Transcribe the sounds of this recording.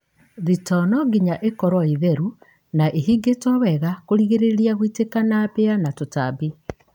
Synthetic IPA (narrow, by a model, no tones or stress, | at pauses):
ðitɔnɔɡiɲaʔekɔɾwɔiðɛɾu | naʔeɦiɡetɔwɛɣakoɾiɣeɾeɾiaɣwitekanapeanatotabi